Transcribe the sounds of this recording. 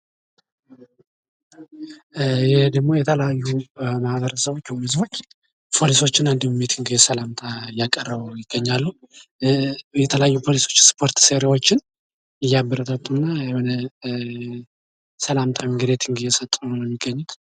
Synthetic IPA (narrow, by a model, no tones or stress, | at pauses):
jɛhd̪əɡmo̞jɛt̪ʰəljajːumahbəɾəsəβo̞t͡ʃːwhɨzbo̞t͡ʃː | pʰo̞liso̞t͡ʃːɪnand̪immet̪ʰɨŋɡɨjesəlamt̪ʰajakʼːərːəβjɪɡ̥ːəɲːalːu | jɛt̪ʰələjajːupʰo̞liso̞t͡ʃːspʰo̞ɾt̪seɾewot͡ʃːɪn | ɪjabəɾət̪ət̪ʼːunːajhonə | səlamt̪ʰamɨɡɨd̪et̪ʰɨŋɡɨjɛsət̪ʼːunjɛmːiɡːəɲːut̪